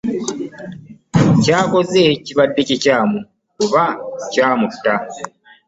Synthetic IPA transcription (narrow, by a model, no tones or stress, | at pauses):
caːko̞zeciβadːececaːmu | kuβacaːmutːa